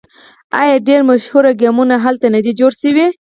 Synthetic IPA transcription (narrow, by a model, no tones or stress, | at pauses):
ajɑɖeɾmaʃhuɾaɡamunaɦalt̪anad̪id͡ʒoɽʃəwi